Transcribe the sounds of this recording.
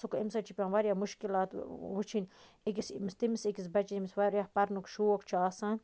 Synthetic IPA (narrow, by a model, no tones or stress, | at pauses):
sukimsɐt͡ʃʰipʲãːnʋaɾʲjaːmuʃkilaːt̪ʋut͡ʃʰinʲ | ekʲisimist̪imisekisbɐt͡ʃiimisʋaɾjahpɐɾnukʃuːokt͡ʃʰiaːsãːn